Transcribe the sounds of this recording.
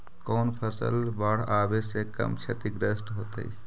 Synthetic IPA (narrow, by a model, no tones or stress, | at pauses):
koːnpʰəsə̰lbaɽ̤aːbesekə̰mt͡ʃʰɐt̪iɡɾəsʈɦoːt̪ə̰i